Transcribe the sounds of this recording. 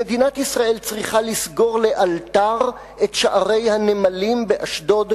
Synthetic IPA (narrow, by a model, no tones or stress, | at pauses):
ed̪inat̪isʁaʔe̞lt͡sʁiχalisɡo̞ʁle̞ʔaltaʁ | e̞tʃaʔaʁe̞jhanemalimbeʔaʃdo̞d